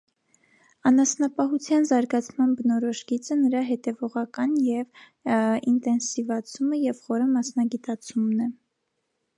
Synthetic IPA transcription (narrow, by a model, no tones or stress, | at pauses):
ɑnɑsnɑpɑɦut͡sʰjɑnzɑɾɡɑt͡sʰmɑnbənɔɾɔʃɡit͡sənəɾɑɦɛt̪ɛvɔʁɑkɑnjɛv | int̪ɛnsivɑt͡sʰuməjɛvχɔɾəmɑsnɑɡit̪ɑt͡sʰumnɛ